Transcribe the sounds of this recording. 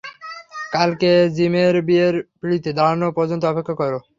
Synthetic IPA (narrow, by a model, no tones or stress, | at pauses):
kalked͡ʑimeɾbieɾpɾiɽit̪ed̪aɾanopɔɾd͡ʑont̪oɔpekʰːakɔɾo